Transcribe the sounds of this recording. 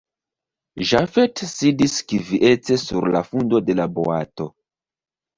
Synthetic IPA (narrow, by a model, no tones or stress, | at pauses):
ʒafetsidiskiviʔe̞t͡se̞suɾla̰fundo̞de̞labo̰a̰to̞